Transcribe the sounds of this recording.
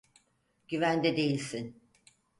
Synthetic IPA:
ɟ̥yvænd̪ɛd̪e̞jilʲsin

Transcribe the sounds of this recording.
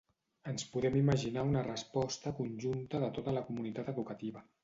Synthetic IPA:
ənspuðɛmiməʒinaunərəspɔst̪əkunʲʒunt̪əðət̪ot̪ələkumunit̪at̪əðukət̪iβə

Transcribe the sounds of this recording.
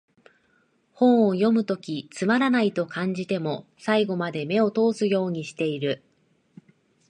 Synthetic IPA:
hõ̞ɰ̃ojo̞mɯ̟t̪o̞kʲit͡sɨmaɾanait̪o̞kãɲ̟d͡ʑit̪e̞mo̞saiɡo̞mad̪e̞me̞o̞t̪o̞ːsɨjo̞ːɲ̟iɕi̥t̪e̞iɾɯ̟

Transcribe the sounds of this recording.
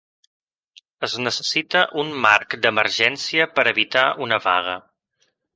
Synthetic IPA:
əznəsə̥sit̪əʔunmarkd̪əmərʒɛnsiəpəɾəβit̪aʔunəβa̰ɣ̞ə

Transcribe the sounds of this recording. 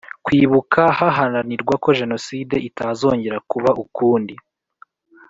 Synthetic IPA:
kwiːβukahaɦananiɾɡwako̞ʒe̞no̞side̞ʔitazo̞ːɲɟe̞ɾakuβaʔukuːndi

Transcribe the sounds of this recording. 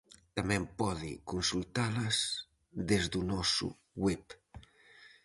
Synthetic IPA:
t̪amɛmpɔðḭkunsulˠt̪aləz | d̪ezd̪unɔsṵ | wɛp

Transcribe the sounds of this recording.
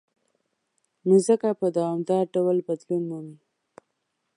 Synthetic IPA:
nuzəkapəd̪awɑmd̪ɑɾɖawlbad̪lunmumi

